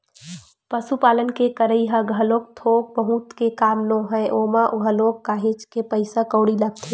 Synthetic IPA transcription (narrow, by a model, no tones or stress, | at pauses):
pəsupaːlənkekəɾəiɦəɡʱəlok̚t̪ʰoːk̚bəɦut̪kekaːmnõɦəeʔoːmaʔɦəlokːaːɦet͡ʃkepəɪsakəʊɽiləɡ̚t̪ʰe